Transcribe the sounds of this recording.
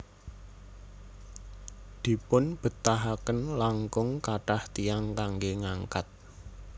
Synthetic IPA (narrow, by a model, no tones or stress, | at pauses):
d̪̥i̤pʊnb̥ə̤t̪aɦakənlaŋkʊŋkaʈaht̪iaŋkaŋɡeŋaŋkat̪̚